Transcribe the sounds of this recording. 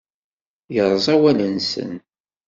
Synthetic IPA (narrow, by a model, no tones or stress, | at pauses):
jəɾˤzˤæwælənsə̰n